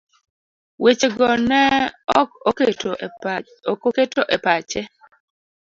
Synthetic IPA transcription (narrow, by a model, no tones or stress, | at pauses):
wet͡ʃeɡɔnɛɔketo | koketoʔɛpat͡ʃɛ